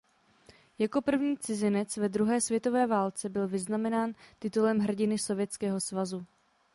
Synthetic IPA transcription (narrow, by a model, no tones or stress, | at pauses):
jako̞pr̩vɲiːt͡sɪzɪnɛt͡svɛd̪ɾuɦɛːsvjɛt̪o̞vɛːvaːlt͡sɛbɪlvɪznamɛnaːnt̪ɪt̪ulɛmɦr̩ɟɪnɪso̞vjɛt͡skɛːɦo̞svazu